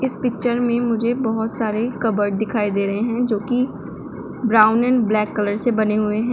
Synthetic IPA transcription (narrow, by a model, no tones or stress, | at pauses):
ɪspɪk̚t͡ʃəɾmẽmʊd͡ʒʱebɐɦʊt̪saːɾekɐbəɾʈd̪ɪkʰaːid̪eːɾɐɦeɦɛ̃d͡ʒoːki | bɾaːʊnɛ̃ːnblɛːkːələɾsebɐneɦʊeɦɛ̃